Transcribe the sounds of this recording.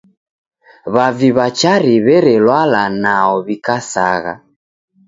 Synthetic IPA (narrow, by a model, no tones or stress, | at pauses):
βaviβat͡ʃaɾiβɛɾɛlwalanaɔβikasa̰ɣa̰